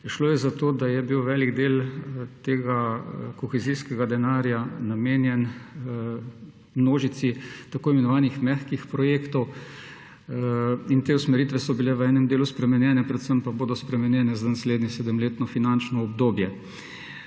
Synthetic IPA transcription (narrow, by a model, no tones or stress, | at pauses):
ʃloːjɛzat̪oːd̪ajɛbiwʋɛːliɡd̪eːlt̪eːɡakɔxɛziːskɛɡad̪ɛnaːɾjanameːnjɛn | mnoːʒit̪sit̪akoːimɛnɔʋaːnixmɛxkixpɾɔjeːkt̪ɔw | int̪eːusmɛɾiːt̪ʋɛsɔbilɛʋəɛːnɛmd̪eːluspɾɛmɛnjɛːnɛpɾɛt̪səmpaboːd̪ɔspɾɛmɛnjɛːnɛzanasleːd̪nɛsɛːd̪əmleːt̪nɔfinant͡ʃnɔɔbd̪oːbjɛ